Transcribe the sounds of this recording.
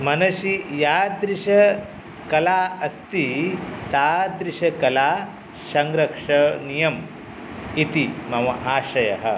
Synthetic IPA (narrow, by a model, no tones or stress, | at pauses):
mɐnɐʃijaːd̪ɾiʃɐ | kɐlaːɐst̪it̪aːd̪ɾiʃɐkɐlaː | sɐŋɡɾɐkʂɐnijɐm | it̪imɐʋɐʔaːʃɐjɐ̰ɦɐ̰